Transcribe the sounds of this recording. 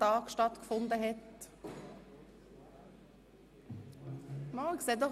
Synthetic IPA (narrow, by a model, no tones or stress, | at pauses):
ɑːkʃtɑt̪kfʊnd̪əɦɛt̪ | mɑlɡsɛd̪ɔ